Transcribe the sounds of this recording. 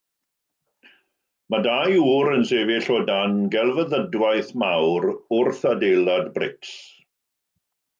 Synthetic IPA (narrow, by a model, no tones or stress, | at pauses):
madajuːɾənseːvɪɬɔdanɡɛlˠvəðədwajθmawɾʊrθadejlˠadbrɪks